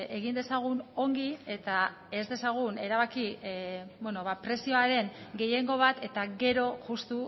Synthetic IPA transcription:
e̞ɣind̪e̞saɣ̞uno̞ŋɡie̞t̪a | e̞zd̪e̞saɣ̞une̞ɾaβaki | bweno̞βapɾe̞sio̞aɾe̞ŋɡe̞je̞ŋɡo̞β̞at̪e̞t̪aɣe̞ɾo̞ʝust̪u

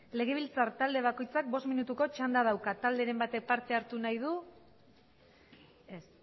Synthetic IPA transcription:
le̞ɣ̞e̞β̞ilt͡saɾt̪ald̪e̞β̞ako̞jt͡sak̚bo̞sminut̪uko̞t͡ʃand̪að̞awkat̪ald̪e̞ɾe̞mbat̪e̞k̚paɾt̪e̞aɾt̪unajð̞u | es

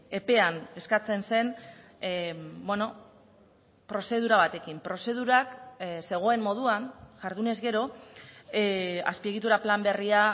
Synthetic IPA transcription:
e̞pe̞ane̞skat͡se̞nse̞n | bweno̞ | pɾo̞se̞ð̞uɾaβ̞at̪e̞kimpɾo̞se̞ð̞uɾakse̞ɣ̞o̞e̞mːo̞ð̞uanʝaɾðune̞zɣe̞ɾo̞ | a̰spie̞ɣ̞it̪uɾaplambe̞ria

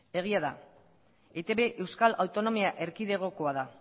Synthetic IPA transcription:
e̞ɣ̞iaða | et̪e̞βe̞ʔe̞wskalawt̪o̞no̞miaʔe̞ɾkiðe̞ɣ̞o̞ko̞aða

